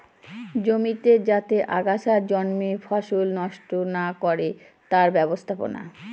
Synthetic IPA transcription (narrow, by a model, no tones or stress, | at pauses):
d͡ʑomit̪ed͡ʑat̪eʔaɡaʃaɾd͡ʑɔnmifʰaʃolnɔʃʈonakɔɾe | t̪aɾbɛbost̪ʰapo̰na̰